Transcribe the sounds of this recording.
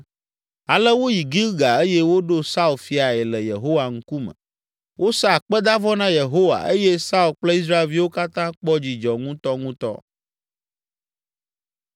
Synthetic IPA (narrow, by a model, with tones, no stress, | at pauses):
a˨lə˦wo˦ji˨ɡi˦ɡa˨e˦je˦wo˦ɖo˦sa˦u˨lfi˦a˨ɛ˨lə˨je˨ɦo˦wa˨ŋ̩̃˦ku˦mə̰˨ | wʔo˦sa˦a˨k͡pɛ˦d̪a˦vɔ˦nã˦je˨ɦo˦wa̰˨e˦je˦sa˦u˨lk͡plə˦i˦s̬ɾa˦e˨lvi˦wo˦ka˦t̪ã˦k͡pɔ˦d͡ʑi˨d͡ʒɔ˨ŋũ˦t̪ɔ˦ŋũ˦t̪ɔ̰˦